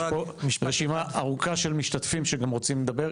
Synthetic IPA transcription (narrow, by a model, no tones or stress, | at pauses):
poʁeʃimaʔaʁukaʃelmiʃt̪atfimʃeɡamʁo̞t͡simled̪abe̞ʁ